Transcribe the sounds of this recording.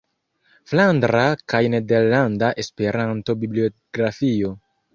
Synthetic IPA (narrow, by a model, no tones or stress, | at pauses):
flandɾakajne̞de̞ɾlandaʔe̞spe̞ɾanto̞biblioɡɾafio̞